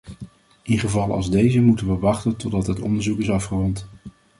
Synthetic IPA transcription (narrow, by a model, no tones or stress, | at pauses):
ɪnχəvɑlˠɑ̰lˠzdejzəmutənʋəʋɑχtəntɔdɑtɦətɔ̰ndəɹzukɪsɑfχərɔnt